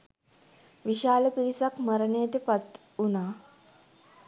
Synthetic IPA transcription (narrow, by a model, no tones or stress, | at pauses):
ʋiʃaːləpiɾisakməɾənejəʈəpat̪ | unaː